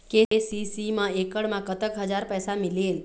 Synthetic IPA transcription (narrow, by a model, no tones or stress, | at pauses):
kesisimãekəɽmãkət̪əkɦəd͡ʒaɾpəsamilel